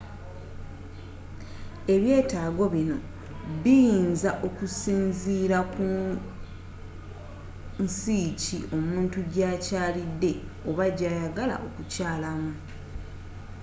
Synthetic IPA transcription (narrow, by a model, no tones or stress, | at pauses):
e̞βje̞ːtaːɡo̞βino̞ | βijinzaʔo̞kusiːnziːɾaku | nsiːciʔo̞muːntuɟaːcaːlidːe̞ | o̞βaɟaːjaɡala̰ʔo̞kucaːlamu